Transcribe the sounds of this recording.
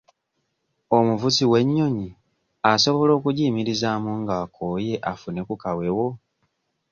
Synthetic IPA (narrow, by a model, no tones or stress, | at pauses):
omuvuziwe̞ɲːo̞ɲi | aso̞βo̞lo̞ːkuɟiːmiɾizaːmuŋɡaːko̞ːje̞ʔafune̞kukawe̞wo̞